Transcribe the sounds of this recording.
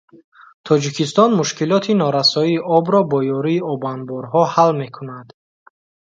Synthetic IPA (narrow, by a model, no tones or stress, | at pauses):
t̪ʰɔd͡ʒikʰist̪ɔnmuʃkilɔt̪ʰinɔɾasɔiːʔɔbɾɔbɔjɔɾiːɔbanbɔɾɦɔhalme̞kʰunad̪